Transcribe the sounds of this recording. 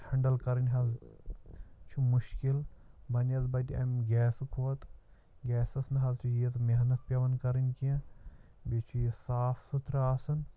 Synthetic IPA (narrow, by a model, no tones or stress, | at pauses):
hɐɳɖɐlkɐɾɐnʲɦɐz | t͡ʃʰumuʃkilbɐnɐzbɐtiɐ̰mʲɡʲɛːskʰoːt̪ | ɡʲɛːsɐsnɦɐzt͡ʃʰujizmeɦnɐt̪̚pʲɐʋɐnkɐɾɐnʲkiɐ̃ | bʲet͡ʃʰujisaːfsut̪ʰɾaːsɐn